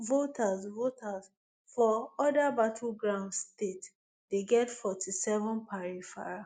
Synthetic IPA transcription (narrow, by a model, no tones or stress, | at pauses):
votʰasvotʰas | fɔɔdabatʰulɡɹãndstet | deɡɛtfɔtʰisɛvɔ̃npʰaɹifa